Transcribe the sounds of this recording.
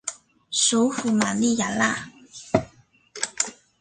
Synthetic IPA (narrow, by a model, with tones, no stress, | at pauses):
so˨˧˦fu˨˩ma˨nli˥˨ja˨la̰˥˧˨